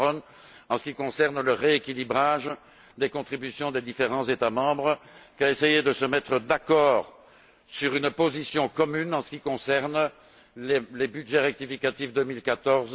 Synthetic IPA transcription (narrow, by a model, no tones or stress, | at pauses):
ɔn | ɑ̃sə̥kʲikɔ̃sɛʁnləʁeekʲilibʁaʒ | d̪ekɔ̃t̪χibysjɔ̃d̪ed̪ifeʁɑ̃zet̪amɑ̃bʁkʲaesejed̪əsəmɛt̪χəd̪akɔːʁ | syʁynpozisjɔ̃kɔmynɑ̃sə̥kʲikɔ̃sɛʁn | lelebyd̪ʒɛʁɛk̚t̪ifikat̪ifd̪ømilkat̪ɔʁz